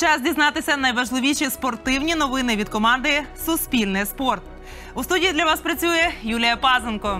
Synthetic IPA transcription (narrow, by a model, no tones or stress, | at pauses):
t͡ʃɑzdʲiznɑt̪ɪsʲɐnɐjʋɐʒlˠɪʋʲiʃʲispɔrt̪ɪwnʲinɔʋɪnɪʋʲid̪̚kɔmɑnd̪ɪsʊspʲilʲnɪjspɔrt̪ | ust̪udʲijid̪lʲɐʋɑspɾɐt͡sʲujɛjulʲijɐpɑzenkɔ